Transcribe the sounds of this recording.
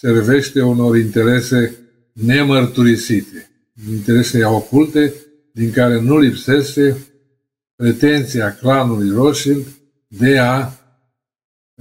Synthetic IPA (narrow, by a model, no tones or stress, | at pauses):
se̞rve̞ʃt̪e̞uno̞ɾint̪e̞ɾe̞se̞ | ne̞mərt̪uɾisit̪e̞ | int̪e̞ɾe̞seao̞kult̪e̞ | d̪iŋkaɾe̞nulipse̞ʃt̪e̞ | pɾe̞t̪e̞nt̪siaklanulujroʃiŋɡ | d̪e̞a